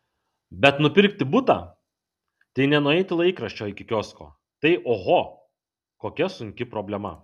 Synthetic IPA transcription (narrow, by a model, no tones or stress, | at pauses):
bʲɛt̪nʊpʲɪɾʲkt̪ʲɪbʊt̪a̰ː | t̪ɐɪnʲɛnʊɛɪt̪ʲɪlˠɐɪkɾɐʃʲt͡ʃʲoːɪkʲɪkʲoːsko̰ː | t̪ɐɪʔoːɣo | koːkʲɛsʊŋʲkʲɪpɾoːbʲlʲɛmɐ̰